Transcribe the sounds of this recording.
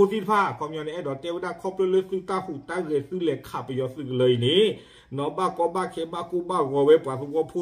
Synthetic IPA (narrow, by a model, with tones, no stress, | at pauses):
u˧˨si˧t̪pʰaː˧˨kʰɔ˧˨mɲɔ˧˨nɛ˧ʔɛ˧˨dɔ˨t̪ɛ˧˨wə˧˦daː˧˨kʰɔ˧˨plə˧˨lə˧˨sɨ˧˨t̪a˧˨hu˨t̪a˧˨ɣə˧˨sɨ˧˨lɛ˨˧˨kʰa˨˩pə˨jɔ˧sɨ˧˨kə˨lə˨˧˨jni˨˦˨ | nɔ˨˧˦baː˧˨kɔ˧˦baː˧˨kʰe˧˦baː˧˨ku˧˦baː˧˨ɣɔ˧˦we˧˦pwa˨su˧˨kɔ˧˨pʰu˧